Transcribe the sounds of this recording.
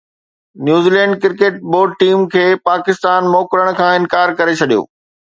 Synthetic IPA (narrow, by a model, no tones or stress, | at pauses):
njuːziːlɛ̃ːɳɖkɪɾkeːʈ̚boːɖ̚ʈiːmkʰeːpaːkɪst̪aːnmoːkɾəɽ̃̆kʰãːɪ̃nkaːɾkɐɾet͡ɕʰɐɗijo̰ː